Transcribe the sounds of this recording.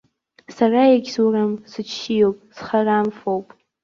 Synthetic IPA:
sarajaɡʲzuramsɨt͡ʃʰijowpʼsχaramfowpʼ

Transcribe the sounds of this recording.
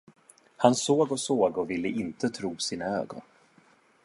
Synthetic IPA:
hansoːɡɔsoːɡɔvɪlːəʔɪnt̪ət̪ʰɾuːsiːnaø̰ːɡɔ̰n

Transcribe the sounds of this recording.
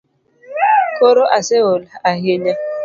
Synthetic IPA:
koɾoʔasɪɣʊlaaɦeɲa

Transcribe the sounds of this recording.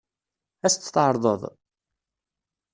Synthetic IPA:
æst͡s̪ːt̪ʕɑɾˤðˤə̰ðˤ

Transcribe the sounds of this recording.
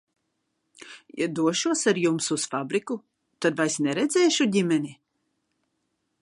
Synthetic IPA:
jad̪uɔʃuɔsaɾjumsusfabɾiku | t̪ad̪vajsnɛɾɛd̪zʲɛːʃuɟimɛnʲi

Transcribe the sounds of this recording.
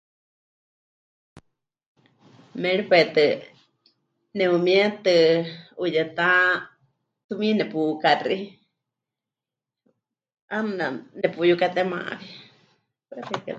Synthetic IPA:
mɛɺipwɛt̪ɨ | nɛumiɛt̪ɨujɛt̪a | t̪umĩnɛpukari | amɨnanɛpujukat̪ɛmã̰ʔβi | pɛrika̰

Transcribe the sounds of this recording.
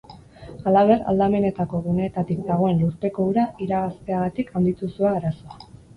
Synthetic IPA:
alaβ̞e̞ra̰ld̪ame̞ne̞t̪ako̞ɣune̞ːt̪at̪ikd̪aɣ̞o̞e̞nluɾpe̞ko̞uɾaʔiɾaɣast̪e̞aɣat̪ikand̪it̪usuaːɾaso̞a

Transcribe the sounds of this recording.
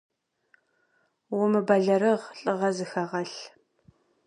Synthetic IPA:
wʊmɨbɐɮɐɾɨʁɬʼɨʁɐzɨxɐʁɐɬ

